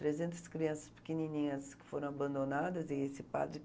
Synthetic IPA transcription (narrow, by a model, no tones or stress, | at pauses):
t̪ɾezẽnt̪ɐ̥skɾiɐ̃sɐspɪ̥kɪninĩɲɐskɪ̥foɾɐ̃w̃abɐ̃nd̪onad̪ɐzɪesɪpa̰d̪ɾɪ